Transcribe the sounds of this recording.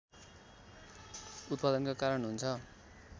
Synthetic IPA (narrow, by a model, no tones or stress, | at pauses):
ut̪̚pad̪ʌnkakaɾʌnɦunt͡sʰʌ